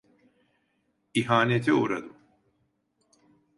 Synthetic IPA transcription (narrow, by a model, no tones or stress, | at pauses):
iɦaːnet̪ʰiuɾa̰d̪ɯm